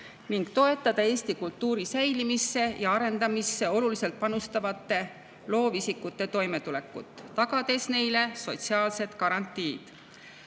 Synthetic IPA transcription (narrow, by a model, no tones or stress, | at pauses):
niŋɡ̥t̪o̞e̞t̪ːˑɑd̪̥ɑe̞ːst̪ikult̪ːˑuːɾisæjlimisːe̞jɑɑɾe̞nd̪̥ɑmisːe̞o̞lulise̞lt̪̚pɑnust̪ɑvɑt̪ːe̞ | lo̞ːvisikːˑut̪ːˑe̞t̪o̞jme̞t̪ule̞kːˑut̪ˑːɑɡ̥ɑd̪e̞sne̞jle̞so̞t̪siɑːlse̞t̪kɑɾɑnt̪ːˑiːd̪̥